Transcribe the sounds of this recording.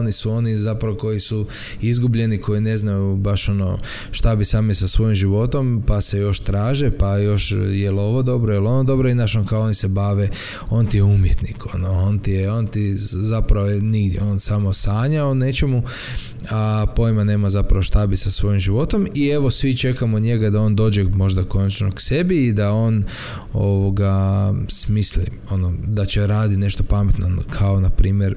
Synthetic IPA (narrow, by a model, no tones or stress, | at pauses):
onisuo̞nizapɾaʋoko̞jisu | izɡubʎe̞nikʰo̞jine̞znajubaʃo̞no̰ | ʃt̪abisaːmisasʋo̞jimʒiʋo̞t̪o̞mpasejo̞ʃt̪ɾaːʒepajo̞ʃjelo̞ʋod̪o̞bɾojelo̞nod̪o̞bɾoinaʃonkaoonisebaːʋe | o̞nt̪ijeumjet̪nikonoont̪ijeoːnt̪izapɾaʋojeniɡd̪jeo̞ːnsamosaːɲaone̞t͡ʃe̞mu | apo̞jmane̞ːmazapɾaʋoʃt̪abisasʋo̞jimʒiʋo̞t̪o̞mie̞ʋo̞sʋit͡ʃe̞kamoɲe̞ɡad̪ao̞ːnd̪o̞ːd͡ʒemo̞ʒd̪ako̞nat͡ʃnokse̞biːd̪ao̞n | o̞ʋoɡasmislḭ | o̞nod̪at͡ʃe̞ɾaːd̪ine̞ʃt̪opamet̪nokʰao̞napɾiːmjeɾ